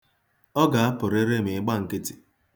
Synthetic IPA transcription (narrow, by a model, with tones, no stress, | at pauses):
ɔ˦ɡa˨a˦pʊ˨ɾe˦ɾe˦m̩˨ɪ˦ɡ͡ba˦ŋ̩˨kɪ˦tɪ̥˨